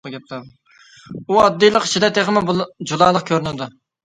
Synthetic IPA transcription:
əɡʲɛt̪̚læd̪ | uɑd̪ːijlˠəqi̥t͡ʃʰid̪ɛt̪ʰeʁmɪd͡ʒulˠɑlˠəq̚kʲʰøɾynɪd̪u

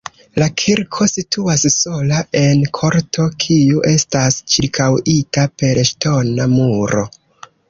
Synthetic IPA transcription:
lakʰiɾkʰo̞sitʰuasso̞laʔe̞nkʰo̞ɾtʰo̞kʰiuʔe̞stast͡ʃiɾkʰawitape̞ɾʃto̞namuɾo̞̰

